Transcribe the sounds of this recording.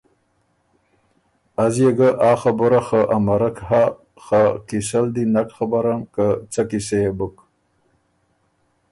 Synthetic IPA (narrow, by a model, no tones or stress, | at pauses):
azjeɡəʔaːxabuɾaxəʔamaɾəkha | xakisəld̪inakxabaɾankət͡sakisejebək